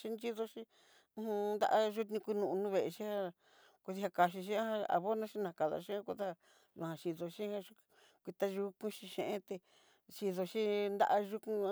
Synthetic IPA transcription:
ʃi˦nd͡ʒi˦ðo˧ʃĩ˦ | ũ˦hũ˧nd̪a̰˦ʔa˧ʒu˦t̪nĩ˧ku˧nũ˧ũ˧nũ˦βe˨e˧ʃi˦ha˦˧ | ku˧ði˧a˧ka˧ʃ̬i˧ʃĩ˦ã˦hã˧a̰˨βo˦nõ˦ʃi˦nã˧ka˨ða̰˨˧ʃĩ˦ã˦ku˧ða˦a˧ | nũ˧˨hã˧ʃi˧ðo˧ʃĩ˦hã˦˧ʃu˦˧ | kʷi˧t̪a˧ʒu˧kũ˦ʃĩ˧ʃẽ˧ʔẽ˦t̪e˧ | ʃi˧ðo˧ʃĩ˦nd̪a̰˦˧ʔa˧ʒu˦kũ˧˦

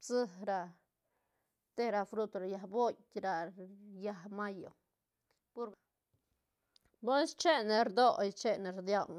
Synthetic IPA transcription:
t͡sɨ˦hɾa˧ | t̪e˦ɾa˧˨fɾu˦t̪ɾa˨ja˧hbo˦jɾa˨ja˧hma˦jo˨ | pu˦ɾ | bo˦nst͡ʃe˦ne˨ɾd̪o˦jt͡ʃe˦ne˨ɾd̪ja˦˧w

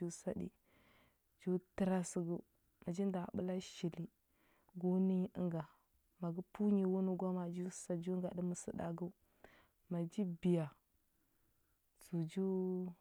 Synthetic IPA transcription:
u˦sa˦dḭ˨ | d͡ʒu˦tə˦ɾa˦si˨ɡu˦ | ma˨d͡ʒi˦n˦da˨bu˦la˦ʃi˨li˦ | ɡo˦ni˦i˦ŋɡa˨ | ma˨ɡu˦pu˦ɲi˨wu˦nu˦ɡa˦ma˨d͡ʒu˦sa˨d͡ʒu˦ŋɡa˨də˦mə˨sə˦da̰˨ɡu˦u˦ | ma˨d͡ʒi˦bi˨ja˨ | su˨d͡ʒu˦

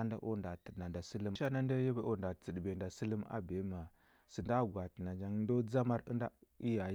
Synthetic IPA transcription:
a˦nda̰˦ʔo˦nda˨tə˨dna˨da˨su˦lu˦a˦na˦nda˦ja˦be˦ʔo˦nda˨t͡sə˨dbe˨nda˨sə˦lə˦ma̰˦be˨˦ma˨ | sə˨nda˦˨ɡwa˨tna˨d͡ʒa˦ŋ˦ndo˦d͡za˦ma˦ɾə̰˦nda˦i˦ja˨

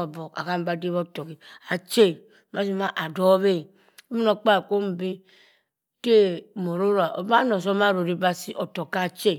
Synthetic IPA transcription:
o˨bo˨ka̰˨ka˦m˦ba˦di˦βo˦to˨ki˨a˨t͡ʃe˦˨˦ | ma˦si˦ma˦ʔa˨do˦βe˦˨ | o˦mi˦no˦k͡pa˦˨ko˦m̩˨˦bi˦ | ke˦˨mo˨ɾo˦ɾa˨ʔo̰˨ba˦no˨s̬o˦ma˦˨ɾo˨ɾi˦ba˦si˦ʔo˨to˨ka˦˨t͡ʃe˦˨

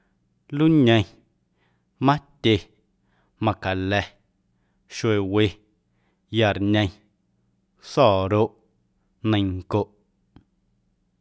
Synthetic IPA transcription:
lu˦ɲə̃˧j̃ | mã˦tʲe˧ | mã˧˨ka˨lɛ˧ | ʃwe˨we˧ | ja˧˨ɾɲə̃˧j̃ | sɔː˦˨ɾo˦ʔ | nə̃˧ŋ˨ko˨ʔ

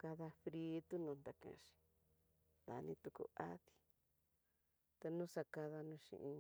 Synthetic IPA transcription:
ka˧ða˧fɾi˧˦t̪u˦nũ˨˧nd̪a˨kã̰˧˨˧ʃi̥˨ | d̪a̰˨˧nĩ˧t̪u˧kṵ˧a˦ði̥˦ | t̪e˧nũ˦sa˧ka˧ða˧nũ˧ʃḭ̃˧ʔĩ˧

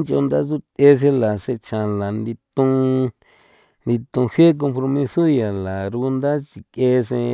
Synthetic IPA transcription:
nt͡ʃo̰˧nd̪a˦zu˦t̪e˦s̬ẽ˧la˨se˧t͡ʃã˨la˨nd̪i˧t̪ũ˧ | nd̪i˧t̪ũ˧he˦k̬o˧mpɾo˧mĩ˧so˦ja˨la˨ɾu˧nd̪a˦t͡ʃi˨ke˧sẽ˧

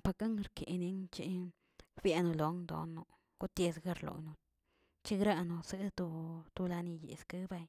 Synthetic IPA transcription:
pa˧ka˦ŋ˧ɾkḛ˨ni˧˦ŋt͡ʃi˦ | bja˧no˧lo˨˦ŋd̪o̰˧nːo˧ | ɡu˦t̪e˧sɡa˧ɾlo̰˨jnu˧ | t͡ʃi˦ɡɾa˦˧no˧sɨ˦t̪o˧t̪u˧la˧ni˧jḛ˨ska˦ba˧j

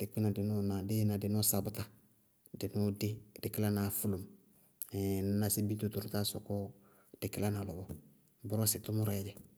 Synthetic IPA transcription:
d̥ɪ˨ki˦na˨dɪ˨nɔ˦na˨dɪ˦na˨dɪ˨nɔ˦sa˨bʊ˨ta˦ | dɪ˨nʊ˦de˦dɪ˨kɪ˦la˦na˨fu˦lo˨m˨ | n˨na˨sɪ˦bi˦to˨˦tu˨ɾʊ˨ta˦sɔ˨kɔ˦ | d̥ɪ˨kɪ˦la˦na˨lɔ˨bɔ˨ | bʊ˦ɾɔ˦sɪ˨tʊ˦mʊ˦ɾɔ˨ɛ˨˦d͡ʒɛ˨

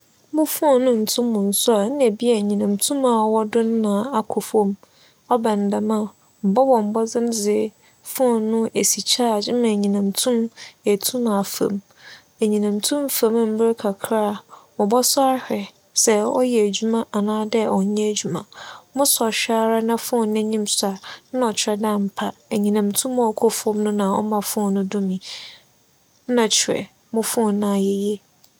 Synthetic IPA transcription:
mʊ̃˦fʊ˦ɔ̃˦˨nʊ̃˦n̩˨tʰʊ̃˦mːʊ̃˨n̩˨˦sʊ˦a˨n̩˦ne˨bi˦a˨ɲĩ˨nã˨mtʰũ˦mã˨wɔ˦dʊ˦n˦nã˨a˨kʰʊ˨fõ˦m | ɔ˦bɛ̃˨n˨da˨mã˦˨ | m̩˨bɔ˦bɔ̃˨m̩˨bɔ˦d͡zɪ̃˦md͡zɪ˨˦ | fʊ̃˦ɔ˨nʊ̃˦e˨si˨t͡ɕʰaː˦˨d͡ʑɪ˦mã˨ɲĩ˨nã˨mtʰũ˦me˨tʰũ˦mã˨fã̰˨m | e˨ɲĩ˨nã˨mtʰũ˦mfã˨˦m˦m̩˦bɪ˦ɾkʰa˨kʰɾa˦˨mɔ̃˨bɔ˦sa˦hɾɛ˨ | sɛ˨ɔ˦jɛ˨æ˨d͡ʑu˦mã˦ʔa˨nãː˦dɛ˦ɔ˨˦ɲɛ̃˦æ˨d͡ʑu˨mã˨mʊ̃˦sɔ˨ɕᶣa˦ɾa˦nã˦fʊ̃˦ɔ̃˦˨nɪ̃˦ɲĩ˦msa˨nã˦ɔ˨t͡ɕʰɪ˨ɾɛ˨dã˦˨m̩˨pʰa˨e˨ɲĩ˨nã˨mtʰũ˦mɔ̃˦˨kʰɔ˦fɔ̃˦mnʊ̃˦nã˨ɔ̰˦mã˨fʊ̃˦ɔ˦˨nʊ̃˦dʊ̃˦mĩ˨˦ | nã˨t͡ɕʰɾɛ̰˨ | mʊ̃˦fʊ̃˦˨nã˨jɛ˦jɛ˦

